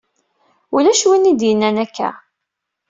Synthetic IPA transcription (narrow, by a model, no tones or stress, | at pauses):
ulæʃwinːid̪jənːænækːæ̰